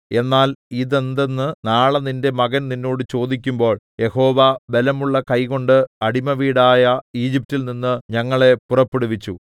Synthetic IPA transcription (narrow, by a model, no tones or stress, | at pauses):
e̞nːaːliðe̞nd̪e̞nːɨnaːɭɐninde̞mɐɣɐnninːo̞ːɽɨt͡ɕo̞ːd̪ikʲːumbo̞ːɭje̞ho̞ːʋabe̞lɐmuɭːɐkɐjko̞ɳɖɨɐɽimɐʋiːɽaːjɐiːd͡ʑip̚tːilninːɨɲɐŋːɐɭe̞purɐpːeɽuʋit͡ɕːu